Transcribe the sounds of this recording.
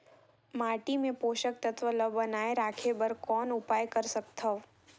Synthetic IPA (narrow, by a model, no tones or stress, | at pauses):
maːʈimẽpoːʃək̚t̪ət̪ʰʋələʋbənaːeɾaːkʰebəɾkɔːnʊpaːjkəɾsəkt̪ʰəʋ